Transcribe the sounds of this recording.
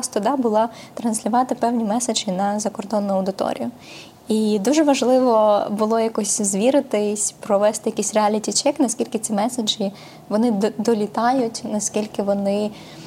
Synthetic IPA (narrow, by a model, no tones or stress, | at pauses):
st̪ʊd̪ɑbʊlˠɑ | t̪ɾɐnsʲlʲʊʋɑt̪ɪpɛwnʲimɛsed͡ʒʲinɐzɐkɔrd̪ɔnːʊɐwd̪ɪt̪ɔ̰ɾʲḭjʊ | id̪uʒɛʋɐʒlˠɪʋɔbʊlˠɔjakɔsʲzʋʲiɾɪt̪ɪsʲpɾɔʋɛst̪ɪjɐkʲisʲrealʲitʲit͡ʃɛknɐskʲilʲkɪt͡sʲimɛsed͡ʒi | ʋɔnɪd̪ɔlʲit̪ɑjʊtʲnɐskʲilʲkɪʋɔnɪ